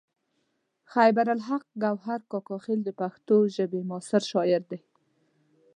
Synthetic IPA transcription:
xajbaɾalɦaq̚ɡawɦaɾkɑkɑxɪld̪əpaxt̪oʒəbemɑsɪɾʃɑɪɾd̪e

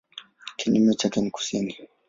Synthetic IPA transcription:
kʰinumɔt͡ʃakɛmku̥sini

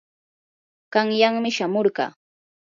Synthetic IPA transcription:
ɢɑŋjaŋmɪʃamoɾɢɑ̰ː

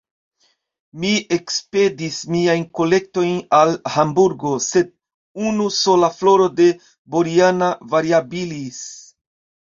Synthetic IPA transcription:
mie̞kspe̞dismiajnko̞le̞k̚to̞jnalhambuɾɡo̞se̞d̚ | unuso̞laflo̞ɾo̞de̞ | bo̞ɾianavaɾiabilis

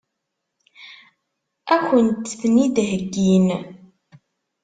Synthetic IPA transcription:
æçənt̪θnid̪ɦəɡːin

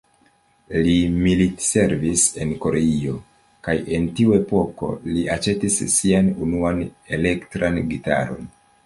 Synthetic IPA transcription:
limilitse̞ɾvise̞nko̞ɾe̞io̞ | kaje̞ntiue̞po̞ko̞̰liat͡ʃe̞tisːianunuane̞le̞ktɾanɡita̰ɾo̞̰n

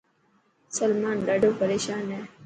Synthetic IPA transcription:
səlmaːnɗaːɖʱoːpəɾeːʃaːnɦeː

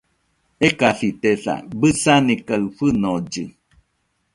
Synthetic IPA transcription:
ekaɬit̪eɬa̰bɨsanĩkaɨɸɨnod͡ʒɨ

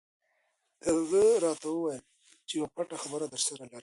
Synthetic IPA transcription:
d̪əzəɾɑt̪awəwajəl | t͡ʃejwapaʈaxabəɾad̪əɾsaɾalaɾ

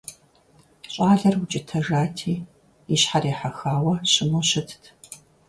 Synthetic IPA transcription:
ɕʼaːɮɐrwʊt͡ʃʼɪtʰɐʐaːtʰiː | iɕħareːħaxaːwɐɕʼɪmoɕɪtʰtʰ

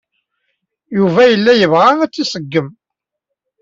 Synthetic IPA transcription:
juvæjəlːæjəvʁaæt͡sːisəɡːəm

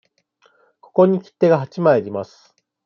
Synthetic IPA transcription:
ko̞̥ko̞ɲ̟ikʲi̥t̪ːe̞ɡaɦat͡ɕimaeɾʲimasɨ̥

